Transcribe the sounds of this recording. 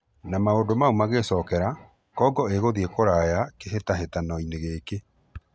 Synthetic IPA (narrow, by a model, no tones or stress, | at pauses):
namaodomaumaɣesɔːkɛɾa | kɔɡɔeɣoðiekoɾajakeɦetaɦetanɔineɣeːke